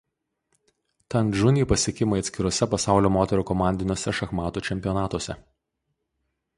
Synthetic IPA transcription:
t̪ɐnʒʊnʲiːˑpɐsʲɪɛkʲɪmɐɪɐt̪sʲkʲɪɾoːsʲɛpɐsɑˑʊlʲoːmoːt̪ʲɛɾuːkɔmɑˑnʲd̪ʲɪnʲoɔsʲɛʃɐxmɑːt̪uːt͡ʃʲɛmʲpʲɪjɔnɑːt̪oɔsʲɛ

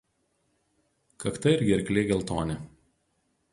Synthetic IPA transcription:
kɐkt̪ɐɪɾʲɡʲɪɐɾʲklʲeːɡʲɛlˠʲt̪oːnʲɛ

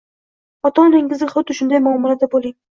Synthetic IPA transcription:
ɒt̪ʰɒnlɪŋɪzɪχʊd̪ɪʃʊnd̪ajmʊamːɒlad̪abolˠɪŋ

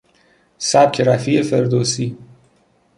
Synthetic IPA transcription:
sæb̚kʲʰeɾæfiefeɾd̪oːsi

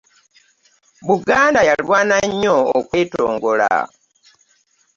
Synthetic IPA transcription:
βuɡaːndajalwaːnaɲːoo̰kwe̞ːtoːŋɡo̞la̰

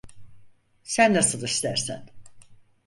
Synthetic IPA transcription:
sænːasɯd̪aist̪æɾsæ̰n

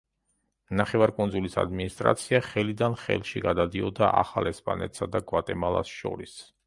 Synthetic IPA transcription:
naχɛvaɾkʼunzulisa̰d̪minist̪ʼɾa̰t̪sʰiaχɛlid̪anχɛ̰lˠʃiɡad̪ad̪iɔd̪aʔa̰χalɛspʼa̰nɛt̪ʼsad̪aɡwat̪ʼɛmalˠa̰sʃɔ̰ɾis

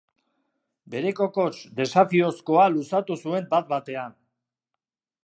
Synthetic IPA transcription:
be̞ɾe̞ko̞ko̞t͡ʃd̪e̞safio̞sko̞alusat̪usue̞mbat̪̚bat̪e̞an

